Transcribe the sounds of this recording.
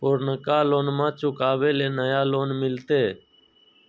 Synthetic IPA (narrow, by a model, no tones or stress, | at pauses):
poːɾnəkaːloːnmãːt͡ʃʊkaːʋeːleːnəjaːloːnmɪlt̪eː